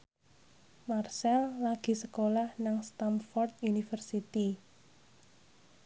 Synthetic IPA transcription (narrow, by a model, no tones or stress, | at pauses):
marsɛlːaɡ̥i̤səkolahnaŋst̪anfɔrt̪̚junifərsit̪i